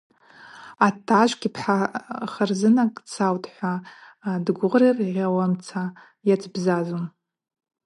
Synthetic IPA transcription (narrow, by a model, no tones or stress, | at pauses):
atʰːaʒʷɡʲipʰħaχərzɨnakʼt͡sʰawtʼħʷa | dɡʷʊʁrirʁʲawamt͡sʰa | jat͡sʼbzazom